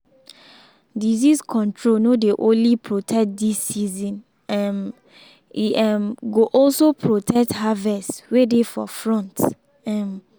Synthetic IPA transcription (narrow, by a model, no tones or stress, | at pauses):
diziskʰɔ̃ntʰɹonodeʔõnlipʰɹotʰɛk̚disːizĩn | ɛm | iʔɛmɡoʔɔlsopʰɹotʰɛk̚thavɛstwedefɔ̰fɹɔ̃nt | ɛ̃m